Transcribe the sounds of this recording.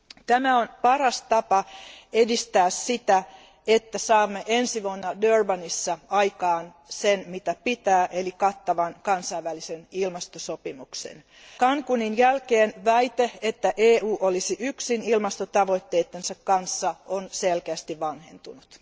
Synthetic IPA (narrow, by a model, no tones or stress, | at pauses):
t̪æmæonpɑrɑst̪ɑpɑedist̪æːssit̪æ | et̪ːæsɑːmːeʔensiʋuonːɑdørbɑnisːɑɑjkɑːn | senmit̪æpit̪æːʔelikɑt̪ːɑʋɑnkɑnsɑiʋʋælisenilmɑst̪osopimuksḛn | kɑŋkuninjælkeːnʋæit̪eet̪ːæʔeːuːʔolisiʔyksinilmɑst̪ot̪ɑʋoit̪ːeːt̪ːensɑkkɑnsːɑonselkeæst̪iʋʋɑnhḛnt̪unut̪